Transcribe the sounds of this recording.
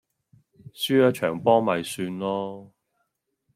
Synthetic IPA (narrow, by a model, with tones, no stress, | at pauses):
syː˥jaː˧˥t͡ʃʰœː˨˩ŋpɔː˥mɐ˨˧jsyː˧nlɔː˥